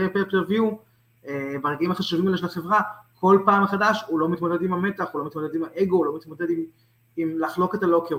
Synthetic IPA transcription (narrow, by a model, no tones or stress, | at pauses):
epeplevjiu | ebaʁeɡaimaχaʃuvimaleʃelaχe̞vʁako̞lpaːmχadaʃulo̞mit̪mo̞d̪e̞d̪imhame̞t̪aχulo̞mit̪mod̪ed̪imaʔe̞ɡo̞ulo̞mit̪mod̪e̞d̪im | imlaχlo̞ket̪aloke